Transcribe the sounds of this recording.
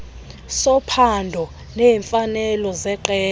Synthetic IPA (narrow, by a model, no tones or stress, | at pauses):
sɔpʰandʱɔ | neːɱfanɛlɔzɛǃɛː